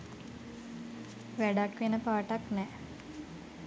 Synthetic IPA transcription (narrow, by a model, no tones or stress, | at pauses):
ʋæɖakʋenəpaːʈaknɛ